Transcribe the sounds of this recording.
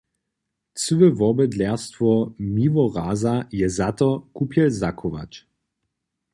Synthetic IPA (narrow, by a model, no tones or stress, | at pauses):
t͡səʋəvɔbɛd̪lɛʁst̪vɔmivɔʁaːzajɛzat̪ɔkupjɛlzakʰɔʋa̰t͡ʃ